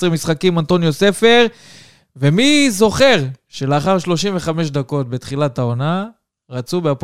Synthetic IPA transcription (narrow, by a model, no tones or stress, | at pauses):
sʁemisχakimant̪o̞njose̞fe̞ʁ | ve̞mizo̞χe̞ʁʃe̞leaχaʁʃlo̞ʃimve̞χameʃ̬d̪ako̞t̚be̞t̪χilatao̞na | ʁat͡subeap